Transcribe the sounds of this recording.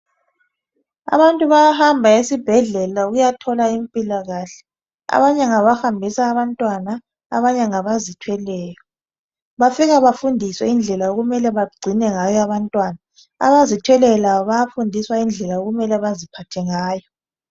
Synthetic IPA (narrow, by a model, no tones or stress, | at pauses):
a̰βantʼuβajahambʱaesib̥ʱɛɮɛlaɣujatʰɔlaimpʼilaɣaɬɛ̥ | a̰βaɲɛŋaβahambʱisaːβantʼwana̰ː | βaɲɛŋaβazitʰwɛlɛːjɔ | βafiɣaβafundʱiswɛind͡ɮʱɛlaoɣumɛlɛβaɡ͡ǀʱinɛŋajɔaβantʼwana | a̰βazitʰwɛlɛjɔlaβɔβajafundʱiswaind͡ɮʱɛlaoɣumɛlɛβazipʰatʰɛŋaːjɔ